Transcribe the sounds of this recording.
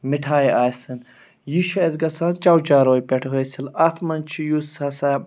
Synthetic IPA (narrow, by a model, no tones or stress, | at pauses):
miʈʰaːjaːsɨn | jiʃɐezɡɐsaːnt͡ʃɐwt͡ʃaːɾoːjpeʈʰɦosilɐt̪ʰmɐnt͡ʃʰijusɐsɐ